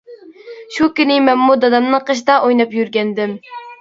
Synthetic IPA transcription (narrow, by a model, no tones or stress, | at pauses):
ʃukʲynɪmɛnmud̪ɑd̪ɑmnɨŋqʰəʃ̬d̪ɑʔojnɑpjyɾɡʲɛnd̪ɪm